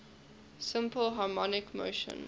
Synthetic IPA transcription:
sɪ̃mpəlˠɦɑːmɔnɪkmo̰ʊʃə̰̃n

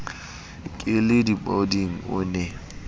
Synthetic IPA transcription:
kʼɪlɪdibɔdiŋ̩ʊ̰nɛ

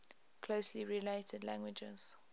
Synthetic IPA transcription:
kʰl̥oʊsliɹileɪtʰədlæ̃ŋɡwɪd͡ʒə̰z̥

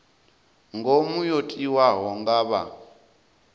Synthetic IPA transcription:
ŋɡomujotʼiwaɦɔŋɡaːβa̰

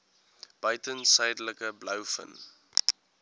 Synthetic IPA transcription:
b̥œɥtənsəjdələkəbləwfə̰n

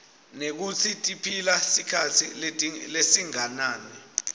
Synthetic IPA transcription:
nek̬ut͡sʰitʼipʰilasikʰatʰilʼlesiŋanaːni

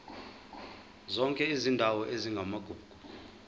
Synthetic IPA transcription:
zɔŋkʼɛizindʱawɔʔeziŋɡʱamaɡ̥ʱuːɡ̥ʱul

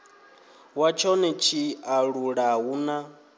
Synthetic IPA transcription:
wat͡ʃʰɔnɛt͡ʃʰiaɺuɺaɦuna

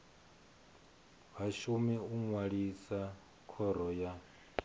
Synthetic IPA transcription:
βaʃumiuŋwaɺisa | kʰɔɾɔja

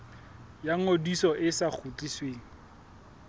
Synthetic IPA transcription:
jaŋodisɔʔɪsak͡xʰut͡ɬʼisweːŋ̩

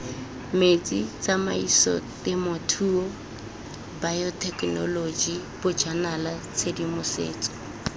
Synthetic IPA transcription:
met͡sit͡sama̰isɔ̰tɪmɔtʰuːɔ | bajɔtʰʼɛkʼnɔ̰lod͡ʒib̥ʊd͡ʒanalat͡sʰedimʊsḛːt͡sʼɔ̥

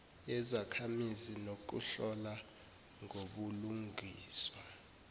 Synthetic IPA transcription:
ɛzakʰamizinok̬uɬɔla | ŋʱoɓuluŋʱiːswa

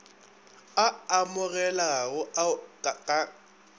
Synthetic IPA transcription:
aamʊɣɛlaaɣʊaakʼa

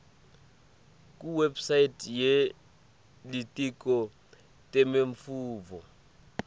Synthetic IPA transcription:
k̬ʼuwɛbsajitʰʼje | litʼik̬ʼɔ | tʼɛmeɱfuːvɔ

